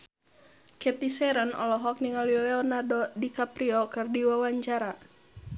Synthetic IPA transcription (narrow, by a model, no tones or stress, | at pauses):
kɛt̪isɛɾənɔ̰lɔɦɔk̚niŋalilɛɔnadɔdikapɾiɔkɨrdiwawaɲt͡ʃaɾa